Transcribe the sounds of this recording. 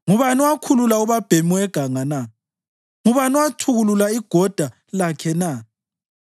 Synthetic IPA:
ŋuβaniwakʰululauβab̥ʱemiwɛɡ̥ʱaŋana | ŋuβanɔwatʰuɣululaiɡ̥ʱɔd̥ʱa | lakʰɛna

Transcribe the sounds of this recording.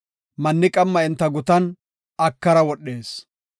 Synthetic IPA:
mɐnːɪkʼɐmːɐɛnt̪ːɐɡʊt̪ɐn | ɐkːɐɾɐwɔɗːe̞ːs

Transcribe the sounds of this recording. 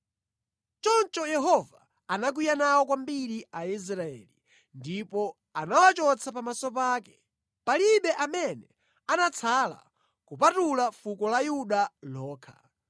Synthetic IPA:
t͡ʃɔnt͡ʃɔjɛɦɔvaː | nak̬wijanawɔkwambiɾiais̬ɾaɛ̰ːli | ndipɔ | anawat͡ʃɔt͡sʰapamasɔp̬aːkɛ̥ | paliɓɛʔamɛnɛ | anat͡sʰala̰ | kupatulafukɔlajuɗalɔːkʰḁ

